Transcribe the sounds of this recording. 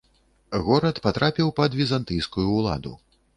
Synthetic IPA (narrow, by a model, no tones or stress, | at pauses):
ɣɔɾɐt̪pat̪ɾapʲiwpɐd̪vʲizant̪ɨjskujuːlˠa̰d̪ṵ